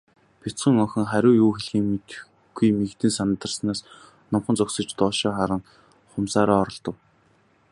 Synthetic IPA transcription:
pʲit͡sɢĭŋɔŋxʲə̆ŋχæɾʲʊːjuːxeɮxiːŋmet̪ | ɡ̥ujmiɣt̪ɘ̆nsant̪ə̆rsnaːs | nʊmχə̆nt͡sɔksɞ̆t͡ɕt̪ɔːʃɔːχaɾə̆ŋ | χʊmsaːɾaːɔɾɞ̆ɮt̪ɞ̆w

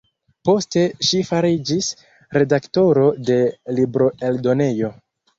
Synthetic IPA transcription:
po̞ste̞ʃifaɾid͡ʒis | ɾe̞dakto̞ɾo̞de̞libɾo̞e̞ldo̞ne̞jo̞

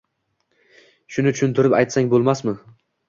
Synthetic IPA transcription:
ʃʊnɪt͡ʃʰʊʃʊnt̪ʰɪɾɪpajt̪saŋbolˠmasmɪ

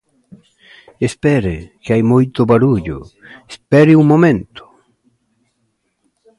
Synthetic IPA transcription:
espɛɾekeajmujt̪oβaɾuʎo̰espɛɾiuŋmomẽnt̪o̥

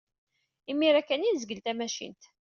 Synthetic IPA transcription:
imːiɾækːænizəɡəlt̪æmæʃḭnt̪

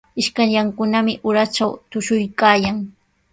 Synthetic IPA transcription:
ɪʃkaɲʎaŋkʊnamɪʔʊɾat͡ʃawt̪ʊʃʊjkaːjaŋ

